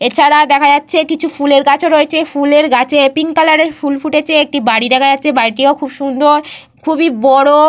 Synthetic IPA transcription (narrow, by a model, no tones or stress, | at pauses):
et͡ɕʰaɽad̪ɛkʰad͡ʑatːɕʰekit͡ɕʰufuleɾɡat͡ɕʰoɾoet͡ɕʰefuleɾɡat͡ɕʰeepiŋkalaɾeɾfulfuʈet͡ɕʰeek̚ʈibaɽid̪ɛkʰad͡ʑatːɕʰebaɾiʈiokʰubʃund̪oɾ | kʰubibɔɽo